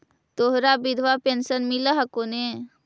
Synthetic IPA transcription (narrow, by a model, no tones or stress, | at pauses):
t̪oɦɾabɪd̪ʱʋapensənmɪləɦɐkone